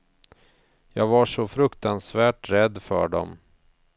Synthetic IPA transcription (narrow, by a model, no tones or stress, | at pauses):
jɑːɡvaʂɔfɾɵkt̪ansvæːʈɾɛd̪ːfœ̰ɖɔ̰m